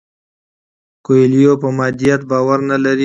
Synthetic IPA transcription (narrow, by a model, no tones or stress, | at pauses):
koelijopəmɑːd̪ijat̪̚bɑːwaɾnalaɾi